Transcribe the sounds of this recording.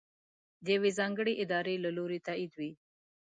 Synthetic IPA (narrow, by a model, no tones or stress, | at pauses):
d̪jawezɑŋɡəɽeʔɪd̪ɑɾelaloɾet̪aid̪wi